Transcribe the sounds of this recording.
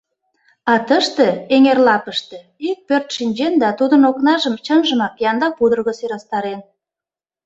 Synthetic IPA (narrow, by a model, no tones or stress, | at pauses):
ɑt̪əʃt̪eeŋerlɑpəʃt̪e | ik̚pørt̪ʃinʲd͡ʑend̪ɑt̪ud̪ənoknɑʒəmt͡ɕənʒəmɑkjɑnd̪ɑpud̪ərɣəseɾɑst̪ɑɾen